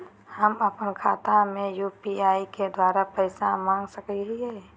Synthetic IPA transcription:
həməpənkʰaːt̪amẽjuːpiaːiked̪waːɾapəɪsamãːŋɡsəkiɦiɦɛː

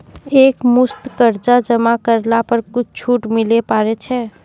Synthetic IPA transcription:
ekmust̪kəɾd͡ʒad͡ʒəmakəɾlapəɾkut͡ʃʰt͡ʃʰuʈmilepaɾet͡ʃʰɛ

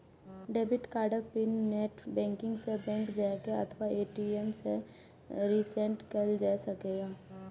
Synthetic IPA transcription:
ɖeːbɪʈkaːɾɖək̚pɪnːeːʈʰbɛ̃ːŋkɪ̃ŋɡsebɛ̃ːŋkd͡ʒakeɐ̰t̪ʰʋaeːʈiemse | ɾiːsẽɳʈkəld͡ʒaːsɐkeːɡaː

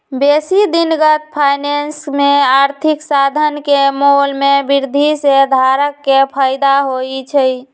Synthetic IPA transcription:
besid̪inɡət̪̚pʰajnensmeaɾt̪ʰiksad̪ʱənkemolmebiɾd̪ʱised̪ʱaɾəkːepʰəjd̪aɦojt͡ʃʰəj

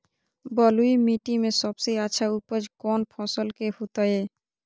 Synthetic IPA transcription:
bɔlujmiʈimeʃɔbsejat͡ɕʰaupod͡ʑkɔnpʰɔsolkehut̪ae

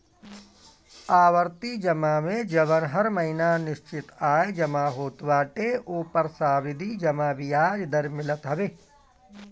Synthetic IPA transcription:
aːʋəɾt̪id͡ʒɐmamẽd͡ʒɐbənɦɐɾməɦinanɪʃt͡ʃɪt̪aːed͡ʒɐmaɦoːt̪ʋaːʈeʔoːpəɾsaːbɪd̪ʱid͡ʒɐmabijaːd͡ʒd̪əɾmɪlət̪ɦɐʋeː

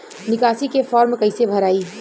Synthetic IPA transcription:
nikasikefʰɔɾmkəɪsebʱəɾaːi

